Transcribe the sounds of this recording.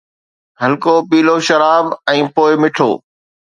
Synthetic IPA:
ɦəlkoːpiːloːʃəɾaːbɛ̃ːpoːɪmɪʈʰo̰ː

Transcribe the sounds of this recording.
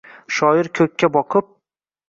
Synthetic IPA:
ʃɒjɪɾkʲʰɵkʲʰːabɒqʰɨp̚

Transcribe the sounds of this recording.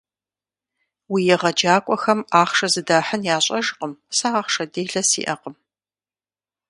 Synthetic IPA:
wijɛʁɐd͡ʒaːkʷʼɔxɐmaːχʂɐzɨdaːħənjaːɕʼɐʒqʼəmsaaːχʂɐdeːɮɐsḭːʔɐqʼəm

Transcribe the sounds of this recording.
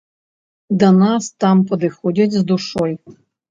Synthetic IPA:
d̪ɐnɑst̪ɑmpɔd̪ɪxɔdʲɐtʲzd̪uʂɔj

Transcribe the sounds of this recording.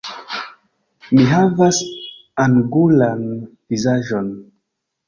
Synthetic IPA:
miɦavas | aŋɡulanvizaʒo̞n

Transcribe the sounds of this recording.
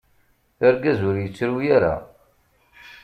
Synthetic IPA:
əɾɡæzʊɾjət͡sːɾujæɾa̰

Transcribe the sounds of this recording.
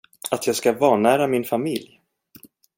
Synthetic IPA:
at̪ʰjɑːɡskavɑːnæːɾamɪnfamɪlj

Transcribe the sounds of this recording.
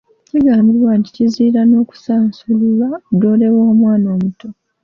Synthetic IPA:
ciɡaːmbiɾwaːnti̥ciziːɾano̞ːku̥saːnsululadoːle̞woːmwaːno̞ːmuto

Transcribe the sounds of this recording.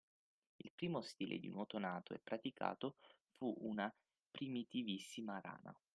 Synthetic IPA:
ilpɾiːmost̪iːlʔḛd̪ḭnot̪onaːt̪oɛ̰pːɾat̪ikʰa̰ːt̪o | fuʔuna | pɾimit̪ivisːimaɾa̰ːna̰

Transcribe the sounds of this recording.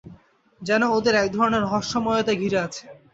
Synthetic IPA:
d͡ʑɛnood̪eɾɛkd̪ʱɔɾoneɾɦɔʃːɔmɔjot̪aɡʱiɾeat͡ɕʰe̥

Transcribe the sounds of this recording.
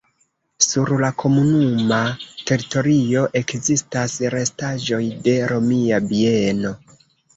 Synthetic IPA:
suɾlakʰo̞munumate̞ɾito̞ɾio̞ʔe̞kzistasɾe̞staʒo̞jde̞ɾo̞miabieno̞

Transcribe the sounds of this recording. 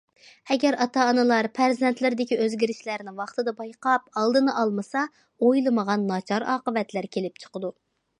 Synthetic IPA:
ɛɡʲɛɾɑt̪ʰɑːnɨlˠɑɾpʰæɾzɛnt̪lɪɾd̪ɪkʲiøzɡʲiɾɪʃlæɾnɪwɑχt̪ɨd̪ɑbɑjqɑpɑlˠd̪ɨnɨʔɑlˠmɨsɑ | ojlˠɨməʁɑnːɑt͡ʃʰɑɾɑːqəvɛt̪læɾkʲʰelɪp̚t͡ʃʰə̥qəd̪u

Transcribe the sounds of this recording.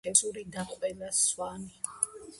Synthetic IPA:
ɛsuɾid̪aqʼvɛlaswani

